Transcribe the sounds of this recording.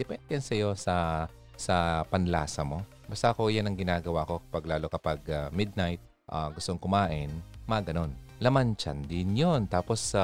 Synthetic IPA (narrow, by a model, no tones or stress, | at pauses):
d̪ɛpɛnd̪ɛnsɐjo̞sɐ | sɐpɐnlaːsɐmo̞ | bast̪ako̞janɐŋɡɪnaːɡɐwaːko̞kɐpɐɡlaːlo̞kɐpɐɡamɪd̪̚najt̪̚ | ʔa̰ɡʊst̪oŋkʊmaːʔɪnmaɡɐno̞nlɐmant͡ʃa̰nd̪ɪnjont̪aːpo̞s